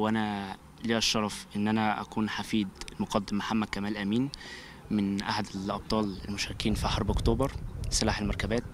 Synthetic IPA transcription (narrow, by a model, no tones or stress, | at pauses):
wʔænæ | liæʃːɑɾˤɑfʔenːʔænæʔæ̰kuːnħafiːd̪lmoqɑd̪ːemːaħamːæd̪̚kæmæːlʔæmiːn | mɪnʔa̰ħad̪elʔɑb̚t̪ˤɑːlelmoʃæɾɪkiːnfiħɑɾˤbʔokt̪oːbɑɾˤselaːħelmɑɾkæbæːt̪̚